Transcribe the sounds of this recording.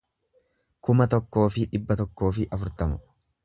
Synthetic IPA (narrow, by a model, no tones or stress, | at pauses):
kʊmɐt̪ɔkːo̞ːfɪᶑɪbːɐt̪ɔkːo̞ːfɪʔɐfʊɾt̪ɐmʊ